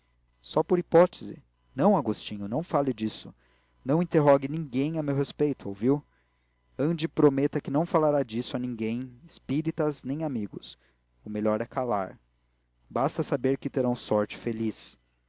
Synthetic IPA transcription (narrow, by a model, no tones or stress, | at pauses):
sɔpoɾipɔt̪ezɪ̰ | nɐ̃w̃aɡost͡ʃĩɲʊnɐ̃w̃falɪd͡ʒisʊ | nɐ̃w̃ĩnt̪eɦɔɡɪnĩɡẽj̃ɐmewɦespejt̪ʊowviw | ɐ̃d͡ʒɪpɾomet̪ɐkɪnɐ̃w̃falaɾad͡ʒisʊanĩŋɡẽj̃ɪspiɾit̪ɐznẽj̃amiɡʊs | ʊmeʎɔɾɛkʰala̰ɾ | bast̪ɐsabeɾkɪt̪eɾɐ̃w̃sɔɾt͡ʃɪ̥felis